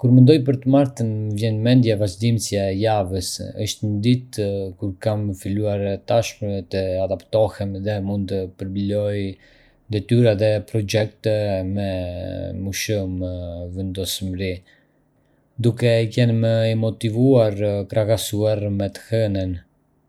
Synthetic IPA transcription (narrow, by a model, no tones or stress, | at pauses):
kuɾmənd̪ɔjp̬əɾt̪əmaɾt̪ənvjɛnmɛnd̪javaʒd̪imsjajavəsəʃt̪ənəd̪it̪kuɾkaməfiluaɾt̪aʃmət̪əad̪apt̪ɔhɛmðɛmund̪̚t̪əpəɾblɔj | d̪ɛt̪yɾaðɛpɾɔd͡ʒɛk̚t̪ɛmɛmuʃumvɛnd̪ɔsmɾi | d̪ukɛkɛnməɛmɔt̪ivuaɾkɾakasuaɾmɛt̪ə̥hɛnən